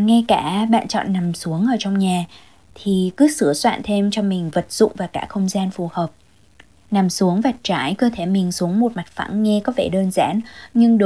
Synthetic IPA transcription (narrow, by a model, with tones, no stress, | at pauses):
ŋɛ˧kaː˧˩ɓa̰ː˧˨nt͡ɕɔ̰˧˨nːa˨˩msu˨˦əŋʔəː˧˩t͡ɕɔ˧wŋ͡mɲaː˨˩ | t̪ʰi˨˩kɨ˨˦sɨ˧˩əswa̰ː˧˨nt̪ʰe˧mt͡ɕɔ˧mï˨˩ŋ̟və˨˩t̚z̥ʊ̰˧˨ŋ͡mvaː˨˩kaː˧˥˩xə˧wŋ͡mzaː˧nfu˨˩həː˨˩p̚ | na˨˩msu˨˦əŋvaː˨˩t̚t͡ɕaː˧˩jkəː˧t̪ʰe˧˩mï˨˩ŋ̟su˨˦əŋmo˨˩t̚ma˨˩t̚fa̰˧˥ŋŋɛ˧kɔ˨˦ve˧˩ɗəː˧nza̰ː˧˥nɲɨ˧ŋɗo˨